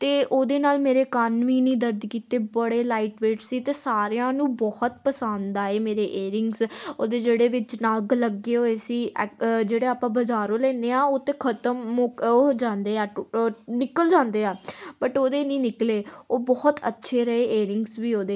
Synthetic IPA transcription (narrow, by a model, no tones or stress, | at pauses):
t̪eːʔoːd̪eːnaːlmeːɾeːkaːnʋiːnĩːd̪əɾd̪kiːt̪eːbəɽeːlaːiʈʋeːʈsiːt̪eːsaːɾejãːnũːbɔht̪̚pəsãːnd̪aːeːmeːɾeːʔeːɾɪ̃ŋɡsoːd̪eːd͡ʒeːɽeːʋɪt͡ʃnaɡləɡeːoːesiːɛd͡ʒeːɽeːaːpãːbəd͡ʒaːɾõːlɛːneːãːoːt̪eːkʰət̪əmoːoːd͡ʒãːnd̪eːaːnɪkəld͡ʒãːnd̪eːaːbəʈoːd̪eːnĩːnɪkleːoːbɔːt̪ə̰tːʃʰeːɾəɦeːʔeːɾɪŋɡsʋiːoːd̪eː